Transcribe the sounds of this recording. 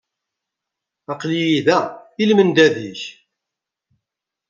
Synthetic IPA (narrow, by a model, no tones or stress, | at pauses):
ɑqlijiðæilmənd̪æðiç